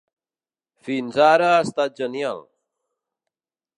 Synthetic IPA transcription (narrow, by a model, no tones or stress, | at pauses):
finzaɾaːst̪at̪̚d͡ʒənja̰l